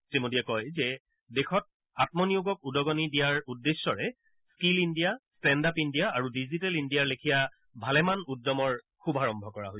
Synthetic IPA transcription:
timodiɛkɔjzɛ | dexɔt̚ | atmɔnijuɡɔkudɔɡɔnidijaɹudːesːɔɹɛ | skilindijastɛndapindijaːɹudizitɛlindijaɹlekʰija | bʱalɛmanudːɔmɔɹ | kʰubʱaɹɔmbʱɔkɔɹa̰ɦo

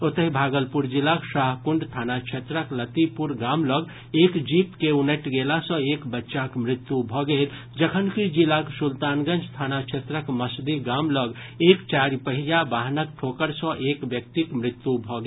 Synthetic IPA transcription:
ot̪əɦibʱaɡəlpuɾd͡ʒilaksaɦkuɳɖt̪ʰanat͡ʃʰet̪ɾəklət̪ipuɾɡamləɡ | ekd͡ʒipkeunəʈɡelasə̃ekbətːʃakmɾit̪ːjubʱɔɡel | d͡ʒəkʰənkid͡ʒilaksult̪anɡənd͡ʒt̪ʰanat͡ʃʰet̪ɾəkməsd̪iɡamləɡ | ekt͡ʃaɾipəɦijabaɦnək̚ʈʰokəɾsə̃ʔekbjək̚t̪ikmɾɪt̪ːjubʱɔɡe

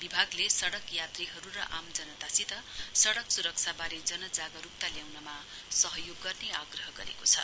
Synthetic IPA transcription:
bibʱaɡlesʌɽʌkjat̪riɦʌɾuɾʌ̰ʔamd͡zʌnʌt̪asit̪ʌsʌɽʌksuɾʌk̚t͡sʰabaɾed͡zʌnʌd͡zaɡʌɾup̚t̪aljawnʌma | sʌɦʌjoɡːʌrneaɡrʌɦʌɡʌ̰ɾḛkot͡sʰʌ̰

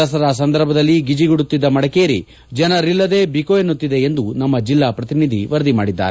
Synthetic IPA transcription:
ɐs̬ɐɾas̬ɐnd̪ɐɾbʱɐd̪ɐlːiɡid͡ʒiɡuɽut̪ːid̪ːɐmɐɽɐkeːɾḭ | d͡ʒɐnɐɾilːɐd̪e̞ːbikoːjenːut̪ːid̪e̞end̪unɐmːɐd͡ʒilːaːpɾɐt̪inid̪ʱiʋɐɾd̪imaːɽid̪ːa̰ːɾe

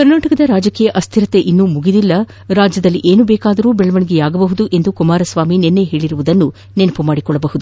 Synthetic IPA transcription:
kɐɾnaːʈɐkɐd̪ɐɾaːd͡ʒɐkiːjɐʔɐst̪ʰiɾɐt̪e̞ʔinːumuɡid̪ilːɐ | ɾaːd͡ʒjɐd̪ɐlːiʔe̞ːnubɛːkaːd̪ɐɾuːbɛɭɐʋɐɳiɡejaːɡɐbɐɦud̪uʔe̞nd̪ukumaːɾɐsʋaːminenːeɦe̞ːɭiɾuʋud̪ɐnːu | nenɐpumaːɽikɔɭːɐbɐɦud̪u

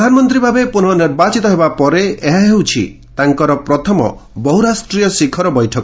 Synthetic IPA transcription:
d̪ʱanɔmɔnt̪ɾibʱabepun̤ɔniɾbat͡ʃit̪ɔɦebapɔɾeeɦaɦɦewt͡ʃʰḭt̪aŋkɔɾɔpɾɔt̪ʰɔmɔ̰bɔɦuɾasʈɾijɔsikʰɔɾɔbɔjʈʰɔkɔ

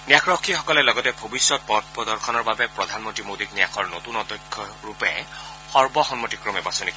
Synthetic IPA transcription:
nijakʰɹɔkʰːixɔkɔlɛlɔɡɔtɛbʱobisːɔt̚pɔd̚ʰpɔdɔɹkʰɔnɔɹbabɛpɹɔd̪ʱanmɔntɹimodiknijakʰɔɹnotunɔdɔkʰːɔɹupɛ̰ | xɔɹbɔxɔnmɔtikɹɔmɛbasonik

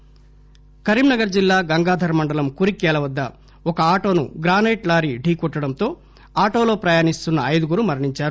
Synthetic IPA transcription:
kɐɾimnɐɡɐɾd͡ʒilːaːɡɐŋɡaːd̪ʱɐɾmɐɳɖɐlɐmkuɾikɛːlɐʋɐd̪ːɐ | ɔkɐaːʈo̞ːnṵɡɾaːnejʈlaːɾiɖʱiːkɔʈːɐɽɐnt̪o̞ː | aːʈoːlo̞ːpɾɐjaːnist̪unːɐːjd̪uɡuɾumɐɾɳiɲt͡ʃaːɾu

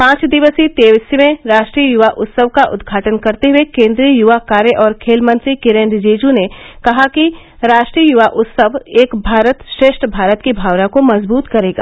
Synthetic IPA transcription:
pãːt͡ʃd̪ɪʋəsit̪eːʋɪsmẽɾaːʃʈɾijəjʊʋaʔʊt̪səʋkaʔʊd̪ɡʱaːʈənkɐɾt̪eɦuekẽːnd̪ɾijəjʊʋakaːɾjəʔɔːɾkʰeːlmə̃nsikɪɾẽːnɖd͡ʒeːd͡ʒunekɐɦakiɾaːʃʈɾiəjʊʋaʔʊt̪səʋeːkbʱaːɾət̪ʃɾeːʃʈʰbʱaːɾət̪kibʱaːʋnakomɐzbuːt̪kɐɾeːɡa̰ː

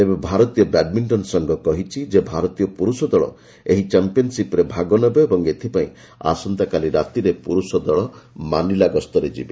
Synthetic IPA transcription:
t̪ebebʱaɾɔt̪ijɔbɛɖmiɳʈɔnsɔŋɡɔkɔɦit͡ʃʰid͡ʒebʱaɾɔt̪ijɔpuɾusɔd̪ɔɭɔ̰ | eɦit͡ʃampiɔnsipɔɾebʱaɡɔnɔbɔebɔŋet̪ʰipaĩ | a̰sɔnt̪akaliɾat̪iɾepuɾusɔd̪ɔɭɔmanilaɡɔst̪ɔɾed͡ʒḭbe

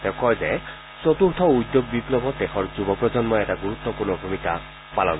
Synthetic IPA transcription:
tɛkɔjzɛ | sɔtuɹt̪ʰɔujd̪ːjoɡ̚biplɔbɔdɛxɔɹzubɔpɹɔzɔnmɔjɛtaɡuɹut̪ːɔpuɹnɔbʱumika̰ | palɔ̰n

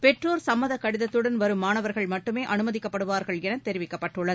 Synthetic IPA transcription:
pɛʈroːɾsɐmːɐðɐkːɐɽɪðɐt̪ːɯɽɐnʋɐɾɯmːaːnɐʋɐɾɣɐɭmɐʈːɯmeːʔɐnɯmɐðɪkːɐpːɐɽɯʋaːɾɣɐɭɛnɐt̪ɛɾɪʋɪkːɐpːɐʈːɯɭːɐðɯ

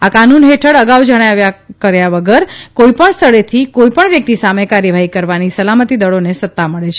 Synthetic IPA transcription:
akanunɦeʈʰəɽəɡaʋwd͡ʒəɽ̃eaʋjakəɾjaʋəɡəɾkoipəɳst̪ʰəɭet̪ʰikoipəɳʋjək̚t̪isamekaɾjəʋaɦikəɾʋanisəlamət̪id̪əɭonesət̪ːaməɭet͡ʃʰe

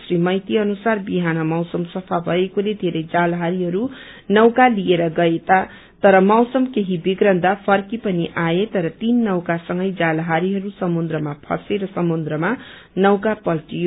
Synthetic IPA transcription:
srimʌjt̪iʌnusarbiɦanʌmʌwsʌmsʌpʰabʱʌekoled̪ʱeɾʌjd͡zalɦaɾiɦʌɾu | nʌwkalieɾʌɡʌet̪a | t̪ʌɾʌmʌwsʌmkeɦibiɡɾʌnd̪apʰʌrkipʌniʔajet̪ʌɾʌt̪inːʌwkasʌŋɡʌjd͡zalɦaɾiɦʌɾusʌmond̪rʌmapʰʌ̰seɾʌsʌmond̪ɾʌma | nʌwkapʌlʈij

